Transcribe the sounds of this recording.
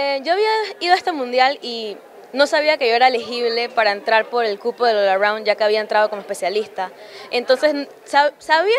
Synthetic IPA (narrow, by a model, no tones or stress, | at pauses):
eɟ͡ʝo̞aβiaiðaest̪amũnd̪jali | no̞saβ̞iake̞ʝo̞e̞ɾaelexiβle̞paɾae̞nt̪ɾaɾpo̞ɾe̞lkupoðe̞lolaɾawnʝake̞aβiae̞nt̪ɾað̞o̞ko̞moespesjalist̪ae̞nt̪o̞nse̞s | sasaβi